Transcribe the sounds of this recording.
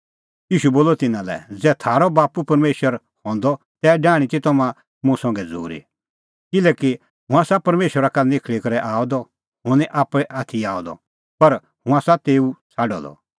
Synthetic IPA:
jiːʃuboːlːɔt̪ɪnãlɛ̰d͡zɛːt̪ʰaːɾɔbaːpupɐɾmeːʃwəɾ | hɔ̃ːnd̪ɔ | t̪ɛːɖaːɽ̃it̪it̪ɔmã | mʊ̃sɔ̃ŋɡɛd͡zʱṵːɾḭ | kɪlɛːki | ɦʊ̃aːsapɐɾmeːʃwəɾakanɪkʰɭikɐɾɛʔaːɔd̪ɔ | ɦʊnĩʔaːpɽɛʔaːt̪ʰiaːɔd̪ɔ̰ | pɐɾ | hʊ̃asat̪eːut͡sʰaːɖɔ̰d̪ɔ̰

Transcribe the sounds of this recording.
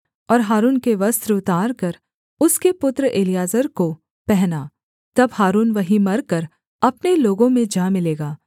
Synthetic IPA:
ɔːɾɦaːɾuːnkeʋɐst̪ɾʊt̪aːɾkɐɾ | ʊskepʊt̪ɾəʔeːlijaːzəɾko | pɛɦnaː | t̪ɐbɦaːɾuːnʋɐɦimɐɾkɐɾ | ɐpneloːɡõmẽd͡ʒãːmɪleːɡaː

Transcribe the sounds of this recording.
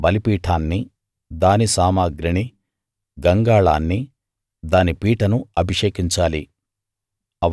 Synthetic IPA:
bɐlipiːʈʰaːnːi | d̪aːnisaːmaːɡɾiɳi | ɡɐŋɡaːɭa̰ːnːi | d̪aːnipiːʈɐnuɐbʱiʂeːkiɲt͡ʃaːli | ɐ

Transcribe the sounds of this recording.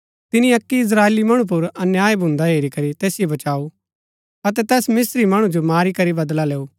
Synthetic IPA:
t̪ɪnĩɐkːiɪs̬ɾaːeːlimɐɽ̃up̬ʊɾɐnjaːebʱʊ̃ːnd̪aɦeːɾikɐɾit̪ɛːsɪjobɐt͡ʃaːu | ɐt̪ɛt̪ɛːsmɪsɾimɐɽ̃ũd͡ʒomaːɾikɐɾibɐd̪laleːuː

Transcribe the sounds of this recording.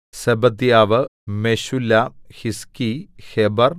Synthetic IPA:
sebɐd̪jaːʋɨmeɕulːahiskihebɐr

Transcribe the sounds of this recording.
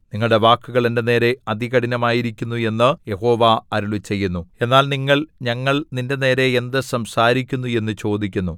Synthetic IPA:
niŋːɐɭɽe̞ʋaːkːuɣɐɭende̞ne̞ːɾe̞ɐd̪ʱiɣɐɽinɐmaːjiɾikʲːunːue̞nːɨje̞ho̞ːʋaɐɾuɭit͡ɕe̞jːunːue̞nːaːlniŋːɐɭɲɐŋːɐɭninde̞ne̞ːɾe̞ːnd̪ɨsɐmsaːɾikʲːunːue̞nːɨt͡ɕo̞ːd̪ikʲːunːu

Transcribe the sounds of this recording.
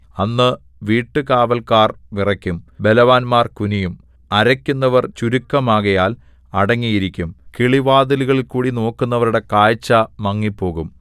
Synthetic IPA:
ɐnːɨ | ʋiːʈːɨkaːʋɐlkaːrʋirɐkʲːumbe̞lɐʋaːnmaːrkunijum | ɐɾɐkʲːunːɐʋɐrt͡ɕuɾukːɐmaːɣɐjaːl | ɐɽɐŋːijiɾikʲːumkiɭiʋaːd̪iluɣɐɭilkuːɽino̞ːkːunːɐʋɐɾuɽe̞kaːjt͡ɕːɐmɐŋːipːo̞ːɣum

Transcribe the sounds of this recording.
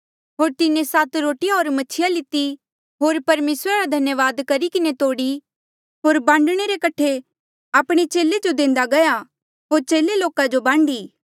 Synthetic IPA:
ɦoːɾt̪ɪnẽsat̪ɾoːʈijaɦoːɾmɐt͡ʃʰɪjalɪt̪i | ɦoːɾpɐɾmeːsɾaɾad̪ʱɐnjəʋaːd̪kɐɾikɪnet̪oːɽi | ɦoːɾbãːɳɖɽ̃eɾekɐʈʰe | aːpɽ̃et͡ʃeːled͡ʒod̪ẽːnd̪aɡɐja | ɦoːɾt͡ʃeːleloːkad͡ʒobãːɳɖiː

